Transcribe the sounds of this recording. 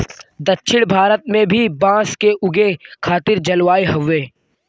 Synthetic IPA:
d̪ɐtːʃʰɪɽ̃bʱaːɾət̪mẽbʱibãːskeʔʊɡekʰaːt̪ɪɾd͡ʒɐlʋaːeɦɐʋeː

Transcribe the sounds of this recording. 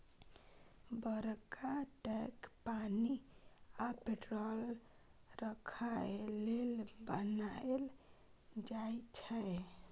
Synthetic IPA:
bəɾkaʈɛkpaniapeʈɾol | ɾəkʰalelbənael | d͡ʒaet͡ʃʰə

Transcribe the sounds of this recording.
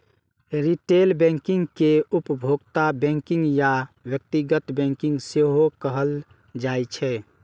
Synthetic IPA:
ɾiʈelbɛ̃ŋkĩŋɡkeupəbʱoɡt̪abɛ̃ŋkiŋɡjabjək̚t̪iɡət̪bɛ̃ŋkĩŋɡseɦokəɦəl | d͡ʒajt͡ʃʰɛ

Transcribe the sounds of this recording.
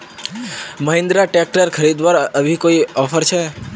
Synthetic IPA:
məɦɪ̃nd̪ɾaʈek̚ʈəɾkʰəɾid̪ʋaɾəʋʱikoiɔfəɾt͡ʃʰe

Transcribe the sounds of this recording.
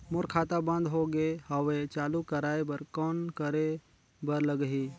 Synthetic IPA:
mʊɾkʰaːt̪abə̃nd̪ʱɦoɡehaʋet͡ʃaːlukəɾaːebəɾkɔːnkəɾe | bəɾləɡɦi

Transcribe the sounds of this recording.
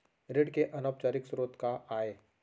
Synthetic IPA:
ɾeɽkeʔɐnap̚t͡ʃaːɾɪksɾoːt̪kaaːeː

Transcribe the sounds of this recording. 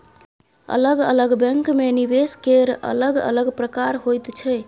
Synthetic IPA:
ə̰ləɡə̰ləɡbɛŋkmenibeskeɾə̰ləɡə̰ləɡpɾəkaɾɦojt̪t͡ʃʰɛ

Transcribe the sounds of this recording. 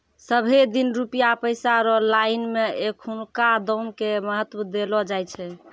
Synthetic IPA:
səbʱed̪inɾupijapəɪsaɾɔlainmeekʰunkad̪ɔmkeməɦət̪wəd̪elɔd͡ʒajt͡ʃʰɛ

